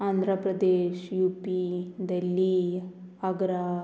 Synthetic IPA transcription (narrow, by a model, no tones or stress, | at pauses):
aːnd̪ʱɾəpɾɐd̪eːʃjuːpid̪ɐlːi | ɐɡɾa